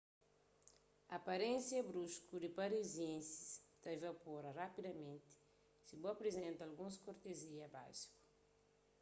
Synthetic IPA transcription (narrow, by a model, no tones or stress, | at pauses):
ɐpɐɾẽnsjɐbɾuʃkud̪ipɐɾiziẽnsi̥st̪ɐevɐpoɾɐrapid̪ɐmẽnt̪i̥ | sibuɐpɾezẽnt̪ɐlɡũskoɾt̪eziɐba̰zi̥ku̥